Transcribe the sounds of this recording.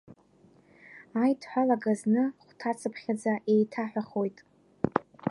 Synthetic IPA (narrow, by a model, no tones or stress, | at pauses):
ajtʰħʷᶣalaɡaznɨχʷtʰat͡sʰɨpʰχʲad͡zaʔejtʰaħʷᶣaχo̞jtʼ